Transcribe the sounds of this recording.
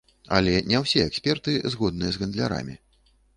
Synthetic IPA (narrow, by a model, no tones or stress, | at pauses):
ɐ̰lʲɛnʲɛwsʲɛɛksʲpʲɛrt̪ɨzɣɔd̪̚nɨjɛzɣɐnd̪lʲa̰ɾa̰mʲi